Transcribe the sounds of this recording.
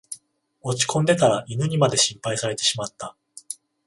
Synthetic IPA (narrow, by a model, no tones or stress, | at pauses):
o̞t͡ɕi̥kʰõ̞nd̪e̞t̪aɾaʔinɯ̟ɲ̟imad̪e̞ɕĩmpaisaɾe̞t̪e̞ɕimat̪ːa